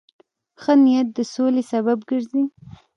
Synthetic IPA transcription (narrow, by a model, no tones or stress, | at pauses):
xənijat̪̚d̪əsolesaβabɡəɾzi